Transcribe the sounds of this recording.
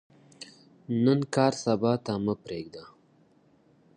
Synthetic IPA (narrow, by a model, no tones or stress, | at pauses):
nənkɑːɾsabɑt̪aməpɾeɡd̪a